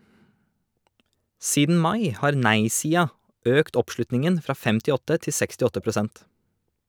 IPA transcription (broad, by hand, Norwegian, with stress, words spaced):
ˈsiːdn̩ ˈmɑɪ ˈhɑːɾ ˈnæɪsiːɑ ˈøːkt ˈɔpˌʃlʉtnɪŋən ˈfɾɑː ˈfɛmtɪˌɔtə ˈtɪ ˈsɛkstɪˌɔtə pɾʊˈsɛnt